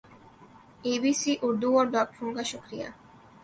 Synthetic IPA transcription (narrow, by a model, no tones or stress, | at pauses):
ebisiʔuɾd̪uɔɾɖɔkfuŋɡaʃokɾija̰